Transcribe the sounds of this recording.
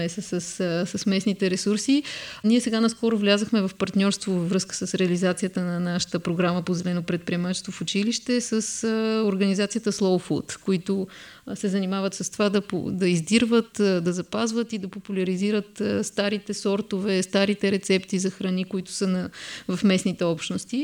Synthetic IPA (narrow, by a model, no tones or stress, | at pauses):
ɛsəsəssəsmɛsnit̪ɛɾɛsuɾsiniɛsɛɡanɐskɔɾʊvlʲazəxmɛvɐfpɐɾt̪nʲɔɾst̪vovɐvɾɤskə̥səsɾɛɐlizat̪sijət̪ənɐnaʃə̥t̪əpɾoɡɾaməpozɛlɛnopɾɛt̪̚pɾiɛmat͡ʃɛst̪vofʊt͡ʃiliʃt̪ɛsəsoɾɡənizat̪sijət̪əslˠɔfṵt̪koit̪ʊ | sɛzɐnimavət̪sɐst̪ovad̪ɐpo̰d̪ɐizd̪iɾvət̪d̪ɐzɐpazvət̪id̪ɐpopulʲɐɾiziɾət̪st̪aɾit̪ɛsɔɾt̪ovɛst̪aɾit̪ɛɾɛt̪sɛpt̪izɐxɾɐnikoit̪ʊ̥sənɐvɐfmɛsnit̪ɛɔpʃt̪nost̪i